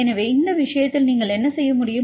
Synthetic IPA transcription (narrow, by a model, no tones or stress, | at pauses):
ɛnɐʋeːɪnd̪ɐʋɪʂɐjɐt̪ːɪlniːŋɡɐɭɛnːɐsɛjːɐmʊɽɪjɯ